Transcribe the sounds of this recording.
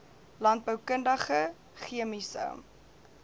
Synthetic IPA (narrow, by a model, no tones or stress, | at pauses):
lɐnt̚bəwkəndəχə | χiəmisə̰m